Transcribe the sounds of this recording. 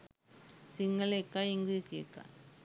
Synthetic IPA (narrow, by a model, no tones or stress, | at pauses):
sɪŋɡɐlekːaɪŋɡɾiːsɪḛkːa̰